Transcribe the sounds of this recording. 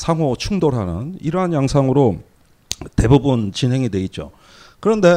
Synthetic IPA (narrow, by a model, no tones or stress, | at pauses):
sʰaŋɦot͡ɕʰuŋdoɾɦanɯ̰niɾʌɦanjaŋsʰaŋɯɾo | te̞bubunt͡ɕinɦe̞ŋidwe̞it̚t͡ɕ͈o̰ | kɯɾʌnde̞